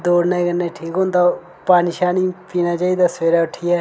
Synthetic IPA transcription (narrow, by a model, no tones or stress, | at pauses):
d̪oːɾnekənːeːʈʰiːkɦõːnd̪a | paːniʃaːnipiːnaːt͡ʃaːiːd̪aːseːɾaːʊʈʰːɪjaː